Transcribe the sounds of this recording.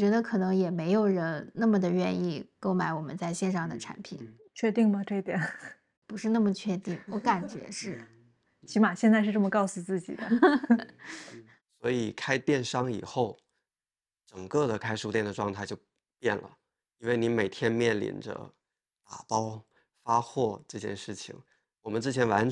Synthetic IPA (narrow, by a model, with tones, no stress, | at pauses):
t͡ɕɥɛ˧˥d̪ə˧kʰɤ˨˩nɤ˧˥ŋjɛ˨˩me˧˥ɪjo˨˩ʊɻə˧˥nna˥˩mə˩d̪ə˩ɥɛ˥˧ni˥˩ko˥˧ʊma˧˥ɪwɔ˨˩mə̰˦nt͡sa˥˧ɪɕjɛ˥˧nʂɑ˥˩ŋd̪ə˩ʈ͡ʂʰa̰˧˥npʰi˨˩˦n | t͡ɕʰɥɛ˥˧t̪i˥˩ŋmɐ˨˩ʈ͡ʂɤ˥˩i˥˩t̪jɛ˨˩n | pu˧˥ʂɻ̩˥˧na˥˩mə˩t͡ɕʰɥɛ˥˧t̪i˥˩ŋwɔ˧˥ka˨˩nt͡ɕɥɛ̰˧˥ʂɻ̩˥˩ | t͡ɕʰi˧˥ma˨˩ɕjɛ˥˧nt͡sʂɻ̩˥˧ʈ͡ʂɤ˥˩mə˩kɑ˥˩ʊsu˨˩t͡sɹ̩˥˩t͡ɕḭ˨˩d̪ə̰˦ | swɔ˧˥i˨˩kʰa˥ɪt̪jɛ˥˩nʂɑ˥ŋi˨˩xo˥˩ʊ | ʈ͡ʂɤə˨˩ŋkɤ˥˩d̪ə˩kʰa˥ɪʂu˥˧˩t̪jɛ˥˩nd̪ə˩ʈ͡ʂwɑ˥˧ŋt̪ʰa˥˩ɪt͡ɕjo˥˧ʊ | pjɛ˥˩nlə̰˩ | i˥nwe˥˩ɪni˧˥me˨˩ɪt̪ʰjɛ˥nmjɛ˥˩nlḭ˧˩nʈ͡ʂə̰˧ | t̪a̰˨˩pɑ˥ʊ | fa˥xwɔ˥˩ʈ͡ʂɤ˥˧t͡ɕjɛ̰˥˧nʂɻ̩˥˩t͡ɕʰḭ˨˩ŋ | wɔ˨˩mə˦nt͡sɹ̩˥˩t͡ɕʰjɛ˧˥nwa˧˥n